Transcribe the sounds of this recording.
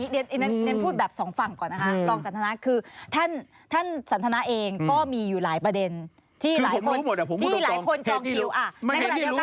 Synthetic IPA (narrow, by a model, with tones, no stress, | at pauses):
i˦˥ne˧˥nʔne˦˥n˧ne˧˦˥npʰuː˥˩t̪̚bɛː˨˩p̚sɔː˩˦ŋfa˨˩ŋkɔː˨˩nːa˦˥kʰa˦˥t̪ɔː˥˩ŋsa˨˦nt̪ʰa˧na˦˥kʰɯː˧t̪ʰa˥˩n | t̪ʰa˥˩nsa˨˩˦nt̪ʰna˦˥ʔeː˧ŋkɔː˥˩miː˧juː˨˩laː˩˦jpɾa˧de˧n | t̪ʰiː˥˩laː˨˦˨kʰo˧˦˨ɛ˨˩po˩˦tʰːlaː˨˦˧kʰo˧nɔː˧ŋi˧˩wʔa˧˩˧ka˧aː˨˧˦